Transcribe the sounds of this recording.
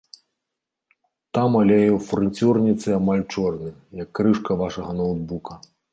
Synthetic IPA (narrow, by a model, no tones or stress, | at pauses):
t̪amalʲɛjɛwfrɨnʲt͡sʲurnʲit̪sɨamalʲt͡ʂɔrnɨjɐkːɾɨʂkɐvaʂɐɣɐnɐwd̪̚bukɐ